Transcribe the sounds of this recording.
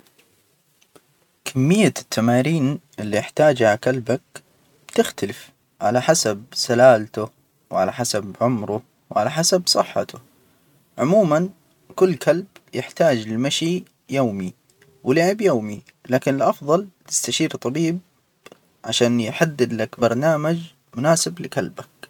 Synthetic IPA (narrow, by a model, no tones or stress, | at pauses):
kʰamːɪjːat̪ʰːamaːɾiːnʔɪlːiʔɪħt̪aːd͡ʒaʕakalbak̚ | b̥t̪ɪxt̪alɪf | ʕa̰laħasab̚salaːlt̪ʊ | wʕalaħasabʕʊmɾʊ | wʕalaħasabsˤɨħːɑ̰t̪ʊ | ʕʊmuːman | kʊlːkalbjɪħt̪aːd͡ʒɪlmaʃi | joːmi | wɪlɪʕɪbjoːmi | laːkɪnɪlʔɑfðˤɑlt̪ɪ̥st̪aʃiːɾt̪ˤɑbiːb̚ | ʕaʃaːnjħad̪ːɪd̪lakbɑɾˤnaːmad͡ʒ | mʊnaːsɪblɪkalbak̚